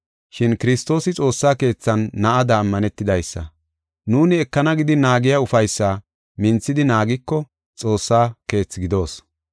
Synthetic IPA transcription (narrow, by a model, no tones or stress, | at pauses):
ʃɪnkɪɾɪst̪o̞ːsɪt͡sʼo̞ːsːaːke̞ːt͡sːɐnːɐʔɐd̪ɐːmːɐnɛt̪ːɪd̪ɐjsːɐ̰ | nuːnɪɛkːɐnɐɡɪd̪ɪnaːɡɪjaʊfɐjsːaː | mɪnt͡sːɪd̪ɪnaːɡɪkːɔ | t͡sʼo̞ːsːaːke̞ːt͡sːɡɪd̪o̞ːs